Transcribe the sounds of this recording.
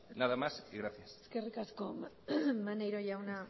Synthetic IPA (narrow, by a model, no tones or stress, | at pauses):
naðamasiɣɾaθjaseskerikaskom | manejɾoʝawna